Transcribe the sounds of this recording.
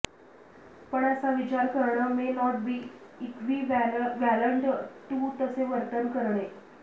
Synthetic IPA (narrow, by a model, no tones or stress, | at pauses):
pəɳasaʋit͡ɕaɾkəɾɳəmenɔʈ̚biː | ikʰʋiːʋæləɳɖʈ̪uːt̪əseʋəɾt̪ənkəɾɳe